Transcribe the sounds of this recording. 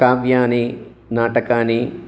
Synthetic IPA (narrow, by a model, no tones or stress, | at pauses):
aːʋjaːni | naːʈɐkaːni